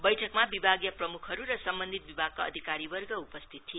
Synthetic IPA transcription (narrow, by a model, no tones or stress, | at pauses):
bʌjʈʰʌkmabibʱaɡjʌprʌmukʰʌɾuɾʌsʌmbʌnd̪ʱit̪̚bibʱaɡ̚kaʌ̰d̪ʱikaɾibʌrɡʌupʌst̪ʰit̪tʰie